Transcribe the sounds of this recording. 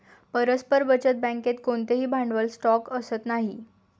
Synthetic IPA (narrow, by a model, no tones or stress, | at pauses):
pəɾəspəɾʋət͡ɕət̪̚bãŋket̪koɳt̪eɦiːbʱãɳɖʋəlsʈɔkəsət̪naɦi